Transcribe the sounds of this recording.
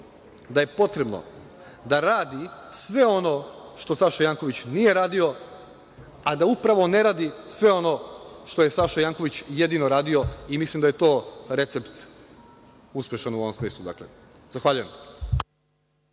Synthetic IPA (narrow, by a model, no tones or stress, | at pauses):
d̪aje̞po̞t̪ɾe̞bno̰ | d̪aɾaːd̪isʋe̞o̞no̞ʃt̪o̞saʃajaːŋko̞ʋit͡ɕnije̞ɾaːd̪io̞ | ad̪aupɾaʋo̞ne̞ɾaːd̪isʋe̞o̞no̞ʃt̪o̞je̞saʃajaːŋko̞ʋit͡ɕje̞d̪inoɾaːd̪io̞imislˠimd̪aje̞t̪o̞ːɾe̞t̪se̞pt̪ | uspʲjeʃanuo̞ʋomsmiːslˠud̪a̰klḛ | z̥axʋaʎuje̞m